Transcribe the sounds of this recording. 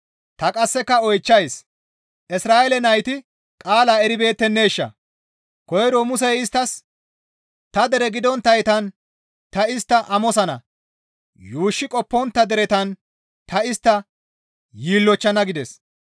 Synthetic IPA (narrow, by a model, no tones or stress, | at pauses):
t̪ɐkʼɐsːɛkːɐɔjt͡ʃːɐjs | ʔɪsɾaːɛlɛnɐjt̪ɪ | kʼaːlaːɛɾɪbe̞ːt̪ːɛnːe̞ːʃːɐ̰ | kɔjɛɾomʊs̬ɛjɪst̪ːɐs | t̪ɐd̪ɛɾɛɡɪd̪ɔnt̪ːɐjt̪ɐn | t̪ɐɪst̪ːɐʔɐmɔsɐnɐ̰ | juːʃːɪkʼɔpːɔnt̪ːɐd̪ɛɾɛt̪ɐn | t̪ɐɪst̪ːɐ | jiːlːɔt͡ʃːɐnɐɡɪd̪ɛs